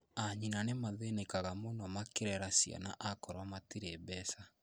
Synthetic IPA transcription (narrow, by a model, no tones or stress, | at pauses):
aɲinanemaðenekaɣamɔnɔmakeɾɛɾasja̰na̰ʔakɔɾwamatiɾebɛsa